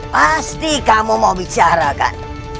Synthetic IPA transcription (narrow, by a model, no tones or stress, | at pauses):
past̪ikamuməbit͡ʃaɾaka̰n